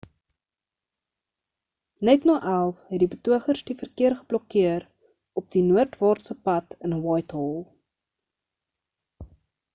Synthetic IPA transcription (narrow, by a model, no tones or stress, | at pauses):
nɛtnɑːʔælˠfɦɛt̚dibətuəχərsdifərkiərχəblɔkiəɾ | ɔp̚dinuərtvɑːrtsəpɐtənəwɑjtɦɔlˠ